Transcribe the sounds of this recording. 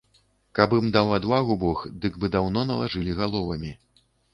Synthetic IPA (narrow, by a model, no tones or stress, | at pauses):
kabɨmd̪awad̪vaɣubɔxd̪ɨɡbɨd̪awn̪ɔnɐlˠaʐɨlʲiɣalˠɔvɐmʲi